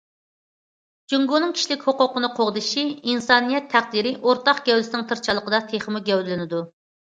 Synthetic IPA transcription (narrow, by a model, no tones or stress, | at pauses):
d͡ʒuŋɡunɨŋkʲʰi̥ʃlɪkʲhoqʊqənɨqʰoʁd̪ɨʃiinsɑnijɛt̪ʰːæχd̪iɾɪʔoɾt̪ɑqɡ̥ʲɛwlɪsɪnɪŋt̪ʰɨɾt͡ʃʰɑlˠːəqəd̪ɑt̪ʰeχəmuɡʲɛwllɪnɪd̪u